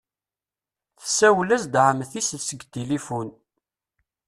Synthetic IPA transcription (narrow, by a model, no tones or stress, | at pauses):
θə̥sːæwlæzd̪ʕəmθisəlsəɡt̪elifun